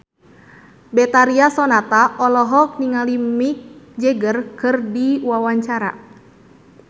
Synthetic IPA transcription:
bɛt̪aɾiasɔnat̪aʔɔlɔɦɔk̚niŋalimik̚d͡ʒɛɡərkɨrdiwawaɲt͡ʃaɾa̰

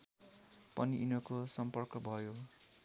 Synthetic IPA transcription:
pʌniʔinʌkosʌmpʌrkʌbʱʌjo

